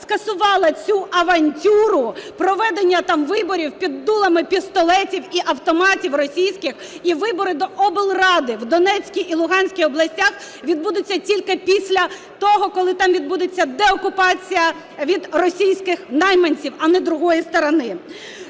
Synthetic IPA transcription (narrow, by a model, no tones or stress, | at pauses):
skɐsʊʋɑlˠɐt͡sʲuʔɐʋɐnʲtʲuɾʊpɾɔʋɛd̪enʲːɐt̪ɑmʋɪbɔɾʲiwpʲid̪ːulˠɐmɪpʲist̪ɔlˠɛtʲiwiʔɐwt̪ɔmɑtʲiwrɔsʲijsʲkɪx | iʋɪbɔɾɪd̪ɔʔɔbɪlˠrɑd̪ɪwd̪ɔnɛt͡sʲkʲijʔilˠʊɦɑnʲsʲkʲijɔblˠɐsʲtʲax | ʋʲid̪̚bud̪ɪt͡sʲːɐtʲilʲkɪpʲisʲlʲɐ | t̪ɔɦɔkɔlˠɪt̪ɑmʋʲid̪bud̪ɪt͡sʲːɐd̪ɛɔkʊpɑt͡sʲijɐ | ʋʲid̪rɔsʲijsʲkɪxnɑjmɐnʲt͡sʲiwɐnɛd̪ɾʊɦɔjist̪ɔɾɔnɪ